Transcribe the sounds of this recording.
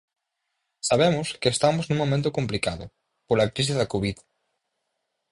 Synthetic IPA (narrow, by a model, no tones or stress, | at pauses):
saβemʊskeest̪amʊznũŋmõmẽnt̪̬ʊkomplikaðʊ̰ | polakɾis̬ɪzðɐkoβið